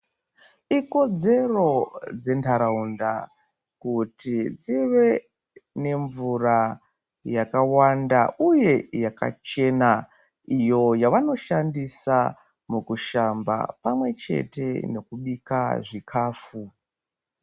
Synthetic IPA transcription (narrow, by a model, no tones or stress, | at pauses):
iko̞d͡ze̞ro̞d͡ze̞ntʰaɾaunda | kutid͡ziʋe̞ | ne̞ɱvura | jakawandauje̞jaka̰t͡ʃe̞na | ijo̞jaʋano̞ʃandisa̰ | mukuʃamba̰pamwe̞t͡ʃe̞̰te̞̰no̞kuɓikaʐikʰaːfu